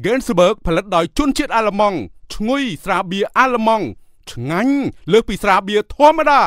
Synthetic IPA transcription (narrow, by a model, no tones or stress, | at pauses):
ɡeːnsəɓəːk̚pʰəlɨt̪̚ɗaɔjt͡ɕŭənt͡ɕiət̪̚ʔaːləmɑŋt͡ɕʰŋujsraːɓiəʔaːləmɑŋ | t͡ɕʰŋaɲləːh̚piːsraːɓiət̪ʰŏəmːaɗaː